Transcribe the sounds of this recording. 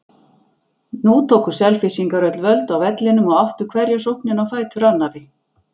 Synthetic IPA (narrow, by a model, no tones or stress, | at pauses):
nut̪ʰoːkʏ̥sɛlfɪsiŋkaɾœt̪lvœlt̪awvɛt̪lɪnʏmɔaht̪ʏkʰvɛɾjasowhpnɪnawfaːjt̪ʏɾanːaɾɪ